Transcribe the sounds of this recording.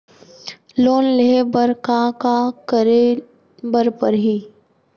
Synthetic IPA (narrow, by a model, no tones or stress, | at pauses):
loːnlebəɾkakakəɾe | bəɾpəɾɦiː